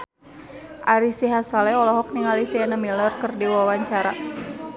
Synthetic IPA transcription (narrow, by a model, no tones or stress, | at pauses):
ʔaɾisiɦasalɛɔlɔɦɔk̚niŋalisiɛnamilərkərdiwawaɲt͡ʃaɾa̰